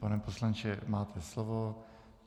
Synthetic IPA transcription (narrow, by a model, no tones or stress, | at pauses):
panɛposlant͡ʃɛmaːt̪ʰɛslovo